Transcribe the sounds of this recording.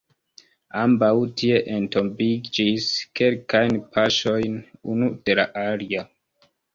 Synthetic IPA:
ambawtʰie̞ʔento̞mbid͡ʒiske̞lkajnpʰaʃo̞jnunud̥e̞laʔalia

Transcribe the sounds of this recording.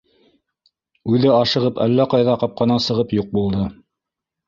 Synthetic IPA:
ʉðɘɑʃɤ̆ʁɤpæ̰lːæqɑjðɑqɑp̚qɑnɑsɤ̆ʁɤpjuq̚bulˠd̪ɤ

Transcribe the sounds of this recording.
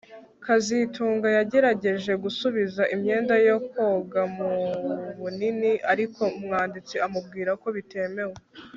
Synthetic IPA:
kazitʰuːŋɡajaɟe̞ɾaɟe̞ʒe̞ɡusuβizaʔimɲe̞ːndajoko̞ɡamuβuniniʔaɾikʰo̞umŋaːndit͡siamub̚ɡiːɾako̞βite̞me̞we

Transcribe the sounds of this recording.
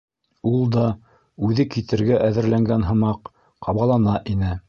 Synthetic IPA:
ulˠd̪ɑ | ʉðɘkit̪ɘ̆ɾɡæʔæðɘ̆ɾlæŋɡænɦɤ̆mɑq | qɑβɑlˠɑnɑʔinɘ

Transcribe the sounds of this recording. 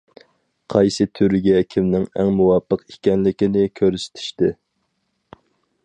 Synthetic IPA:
qʰɑjsɨt̪ʰyɾɪɡʲɛkʲʰimnɪŋɛ̰ŋmuwɑpʰːəqikʲɛnlɪkʲɪnɪkʲʰøɾysɪ̥t̪ʰi̥ʃt̪ɪ

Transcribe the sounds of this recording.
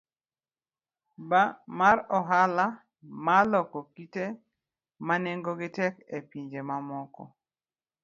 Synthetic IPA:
bamaɾɔɦala | malɔkɔkite | manɛŋɡɔɡɪtɛkepiɲd͡ʒemamɔkɔ̰

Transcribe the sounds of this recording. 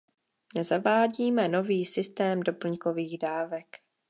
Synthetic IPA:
nɛzavaːɟiːmɛno̞viːsɪst̪ɛːmdo̞pl̩ɲko̞viːɣdaːvɛk

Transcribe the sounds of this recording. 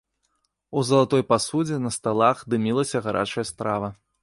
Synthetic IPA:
uzɐlˠat̪ɔjpasud͡zʲɛnɐst̪alˠaxd̪ɨmʲilˠɐsʲɐɣaɾʔa̰t͡ʂɐjɐst̪ɾavɐ

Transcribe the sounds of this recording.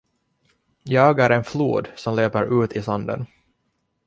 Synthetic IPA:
jɑːɡæɾɛnflṵːd̪sɔmleːpəɾʉ̟ːt̪ʰɪsand̪ə̰n

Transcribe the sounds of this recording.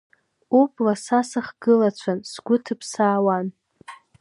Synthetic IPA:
upʼlasasaχɡɨlat͡ɕʷʰansɡʷʊtʰɨpʰsaːwan

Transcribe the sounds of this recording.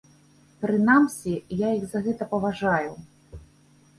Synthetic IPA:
pɾɨn̪amsʲijajiɣzɐɣɛt̪ɐpɐvaʐaju

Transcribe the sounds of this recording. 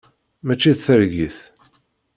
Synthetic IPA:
mæt͡ʃːiðθəɾʝiθ

